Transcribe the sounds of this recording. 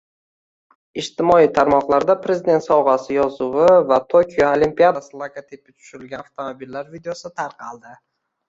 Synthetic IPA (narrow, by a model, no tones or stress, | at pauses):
ɪʃt̪ɪmɒit̪ʰaɾmɒqlˠaɾd̪apʰɾe̞zɪd̪e̞nt̪sɒwʁɑsɪjɒzʊwɪvat̪ʰokʲʰijoolimpijad̪aslˠakat̪ʰep̚ɪt͡ʃ̪ʰʊ̥ʃɪlɡʲaft̪ʰomobilːaɾvid̪ejosɪt̪ʰaɾqʰɑlˠd̪ɪ